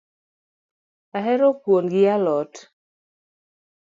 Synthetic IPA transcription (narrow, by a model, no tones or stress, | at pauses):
aɦɛɾopwonɡɪalɔt